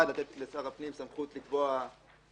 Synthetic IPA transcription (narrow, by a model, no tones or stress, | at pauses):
adlat̪et̪lesaʁapnimsamχut̪likvoa